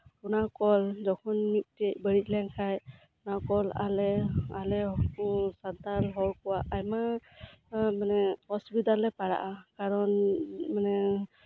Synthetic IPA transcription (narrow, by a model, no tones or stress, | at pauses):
kunakɔld͡ʒɔkʰɔnːik̚tɛʔbəɾit̚laŋkʰaj | unakɔla̰lɛalɛ | sant̪alɦɔɹkɔwaʔajma | manɛɔsbidaɾlɛpaɽa̰ʔakaɾɔnmanɛ